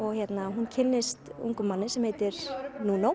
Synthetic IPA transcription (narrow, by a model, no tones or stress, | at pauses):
ɔɣçjɛt̪naɦuncʰɪnːɪst̪ṵŋkʏmːanːɪsɛmhejt̪ɪɾ̥nunow